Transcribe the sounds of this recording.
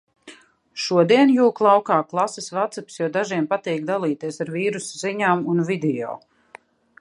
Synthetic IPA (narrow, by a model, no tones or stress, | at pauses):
ʃuɔd̪iɛnjuːklˠawkaːklˠasɛsvat̪sapsjɔwd̪aʒiɛmpat̪iːkd̪alˠiːt̪iɛsaɾviːɾusziɲaːmunvid̪ɛɔ̰ː